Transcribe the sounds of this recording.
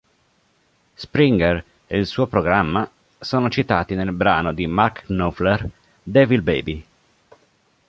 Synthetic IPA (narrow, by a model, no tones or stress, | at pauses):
spɾiŋɡɛr | eilsuːopɾoɡɾamːa | soːnot͡ʃit̪aːt̪inelbɾaːnod̪imarknofler | d̪ɛvid̪bḛːbi